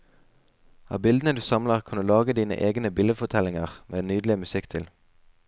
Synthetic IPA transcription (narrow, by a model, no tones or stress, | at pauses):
ɑ̰ːbɪld̪ənəd̪ʉːsɑmləʁkʰɑnd̪ʉːlɑːɡəd̪iːnə̰ʔeːɡnəbɪləfɔt̪ʰɛlɪŋəʁmʔeːnyːd̪l̩ɪmʉsɪkt̪ʰɪl